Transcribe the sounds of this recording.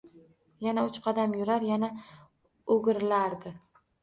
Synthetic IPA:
janaʊt͡ʃqʰɑd̪amjʊɾaɾjana | oɡʲɪɾɪlaɾd̪ɪ

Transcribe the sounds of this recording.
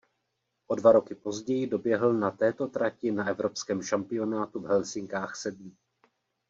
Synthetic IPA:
ʔo̞dvaɾo̞kɪpo̞zɟɛjɪdo̞bjɛɦl̩nat̪ɛːt̪o̞t̪ɾacɪnaɛvɾo̞pskɛːmʃampɪo̞naːt̪uvɦɛlsɪŋkaːxsɛd̚mɪ

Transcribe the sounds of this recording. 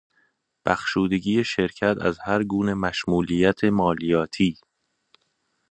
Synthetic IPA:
b̥æxʃuːd̪e̞ɟiːje̞ʃe̞ɾcʰæt̪ʰæ̰zhæɾɡuːne̞mæʃmuːlijæt̪ʰemɒːlijɒːt̪ʰiː

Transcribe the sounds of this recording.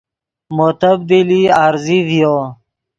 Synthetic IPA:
mot̪əb̚d̪iliaɾzivijo

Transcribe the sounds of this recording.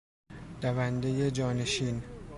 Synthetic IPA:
d̥ævænd̪eje̞d͡ʒɒːne̞ʃiːn

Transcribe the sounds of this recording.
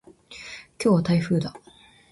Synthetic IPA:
kʲo̞ːβat̪aiɸɯ̟ːd̪a

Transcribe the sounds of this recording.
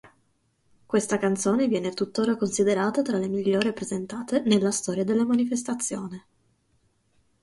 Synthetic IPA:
kwest̪akant̪soːnevjɛːnet̪ut̪ːoːɾakonsid̪eɾaːt̪at̪ɾalemiʎːoːɾepɾezent̪aːt̪enelːast̪ɔːɾjad̪elːamanifest̪at̪sːjoːne

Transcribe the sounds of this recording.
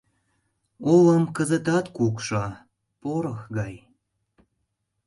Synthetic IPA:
oləmkəzət̪ɑt̪kukʃɑ | poɾəxɡɑj

